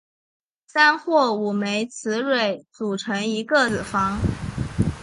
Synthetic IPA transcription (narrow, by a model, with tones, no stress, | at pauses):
sa˥nxwɔ˥˩u˨˩me˧˥ɪt͡sʰɹ̩˧˥ɻwe˨˥˩ɪt͡su˨˩ʈ͡ʂʰɤ˧˥ŋi˧˥kə˥˧t͡s̩˨˩fɑ˥ŋ